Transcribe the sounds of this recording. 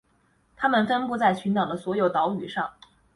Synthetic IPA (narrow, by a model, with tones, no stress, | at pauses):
t̪ʰa˥mə˨nfə˥npu˥˧t͡sa˥˩ɪt͡ɕʰy˧˥nt̪ɑ˨˩ŋd̪ə˦swɔ˧˥jo˨˩ʊt̪ɑ˧˥ʊy̰˨˩ʂɑ˥˩ŋ